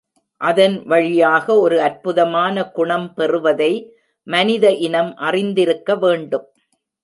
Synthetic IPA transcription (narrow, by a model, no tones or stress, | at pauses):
ʔɐðɐnʋɐɻɪjaːɣɐɔɾɯɐɾpɯðɐmaːnɐkʊɳɐmpɛrɯʋɐðɐɪ | mɐnɪðɐʔɪnɐmʔɐrɪnd̪ɪɾɯkːɐʋeːɳɖɯm